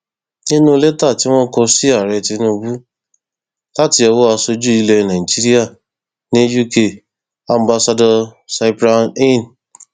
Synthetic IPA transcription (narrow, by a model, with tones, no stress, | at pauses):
nĩ˦nũ˦le˦ta˦˨ti˦w̃ɔ̃˦kɔ˧si˦a˦˨ɾɛ˧ti˧˦nũ˧bu˦ | la˦ti˧ɔ˧wo˦a˧so˧d͡ʒu˦i˧lɛ˧nã˨i˨d͡ʒi˦ɾi˦a˦˨ | nĩ˦ju˦ke˧˨ | ã˧m˦ba˧sa˧dɔ˧sa˧i˦pɾa˧nĩ˦˨n